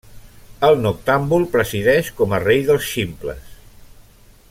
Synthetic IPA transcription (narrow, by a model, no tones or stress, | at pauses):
əlˠnuk̚t̪ambulˠpɾəziðɛʃkɔmərejðəlˠsʃimplə̰s